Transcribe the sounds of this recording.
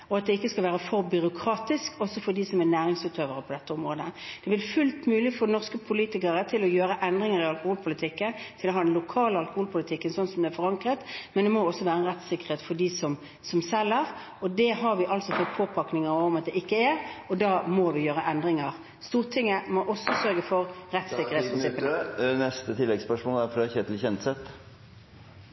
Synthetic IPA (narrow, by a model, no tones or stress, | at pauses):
ɔɑt̪̚d̪ɛɪkːəskɑlʋæːʁəfɔɾbʏɾʊkʰɾɑːt̪ɪskɔsɔfɔd̪isɔmæʁnæːʁɪŋsʉːt̪ʰøːʋəʁəpʰɔd̪ɛt̪ːəʊmɾoːd̪əd̪̥ɛʋɪlfʉlt̪mʉːlɪfɔnɔʁskəpʰʊliːt̪ɪkəʁət̪ʰɪlɔjøːɾəʔɛnd̪ʁɪŋəʁɪɑlkʊhuːlpʰʊlɪt̪ʰɪkːənt̪ʰɪlɔɦɑːd̪ɛnlʊkʰɑːləɑlkʊhuːlpʰʊlɪt̪ʰɪkːənsɔnːsɔmd̪ɛæɾfɔʁɑŋkʁət̪mɛnd̪ɛmɔɔsːɔʋæːɾəɛnʁɛt̪sɪkːəʁheːt̪fɔɖisɔm | sɔmsɛlːəʁ | ɔd̪ɛɦɑɾʋɪʔɑlsɔfɔt̪̚pʰoːpʰɑknɪŋəɾɔmɑt̪̚d̪ɛɪkːəɛʁɔd̪ɑːmɔʋɪjøːɾəʔɛnd̪ʁɪŋəʁ | st̪uːʁt̪ʰɪŋːəmɔʔɔsːɔsœɾɡəfɔʁɾɛt̪sɪkkəʁeːt̪spɾɪnsɪpːənənɛst̪ət̪ʰɪlːɛɡspœʂmoːnæɾfɔd̪ɛæçɛːt̪lçɛnt̪sɛt̪